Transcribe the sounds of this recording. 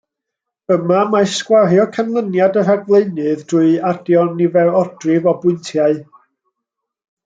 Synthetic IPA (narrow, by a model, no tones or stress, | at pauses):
əmamaskwarjɔkʰanlˠənjadəraɡvlˠeɨnɨðd̥ʊɨad̥jɔnɪvɛɹɔd̥rɪvɔbʊɨntʰjaɨ